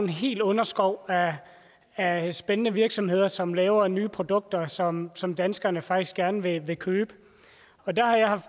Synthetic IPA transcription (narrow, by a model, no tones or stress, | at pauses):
enɦe̝̰ːld̥ɔ̽nɐsɡ̥ɒʊ̰æ | æsb̥enənəʋiɐɡ̥sɒ̽mhe̝ð̞̰ˠɐsɒ̽mlɛːʊɐnyːpʰʁo̝d̥ɔ̽ɡ̥̚d̥ɐsɒ̽msɒ̽md̥ænsɡ̥ɐnəfɑ̈ɡ̥d̥isɡ̥æɐnəʋe̝ʋe̝kʰøːb̥ə | ɒ̽d̥æhɑ̈jɑ̈ɪhɑ̈f